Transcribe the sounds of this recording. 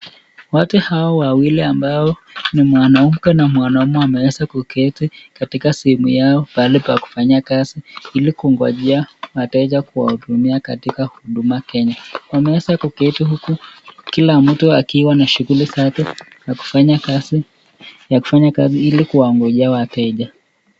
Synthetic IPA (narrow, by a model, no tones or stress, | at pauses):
watuhawawawiliambaɔnimwanaumukɛnamwanaumuamɛwɛsakukɛtikatikasɛhɛmujaɔpalipaku̥faɲakaziilikuŋɡwaʄiawatɛʄakuwa̰huɗumiakatikahuɗumakɛɲawamɛɛsakukɛtihukukilam̩tuakiwanaʃuɣulisatɛ | jaku̥faɲakazi | jaku̥faɲakaziilikuwaŋɡɔʄiawatɛʄa